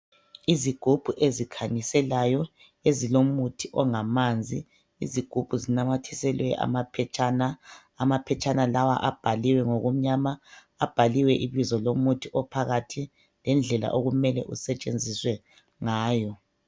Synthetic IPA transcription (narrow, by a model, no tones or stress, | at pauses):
iziɡ̥ʱub̥ʱuʔezikʰaɲisɛlajɔ | ezilomutʰiʔɔŋamand͡zʱi | ḭziɡ̥ʱub̥ʱuzinamatʰisɛlwɛʔa̰mapʰɛt͡ʃʰʼanaː | mapʰɛt͡ʃʼanalawa̰ʔab̥ʱaliwɛŋoɣum̩ɲamaː | b̥ʱaliwɛʔiβizɔlomutʰiʔɔpʰaɣatʰi | lɛnd͡ɮʱɛla̰ʔoɣumɛlɛ̰ʔusɛt͡ʃʼend͡zʱiswɛ | ŋaːjɔ